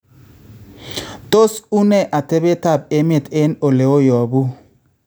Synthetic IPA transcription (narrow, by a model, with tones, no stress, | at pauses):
t̪o˦su˦nɛ˦˨ʔa˨te˦be˦ta˦˨b̚e˦mɪ˦˨tɪ˦no˨le˨o˦jɔ˨bu˦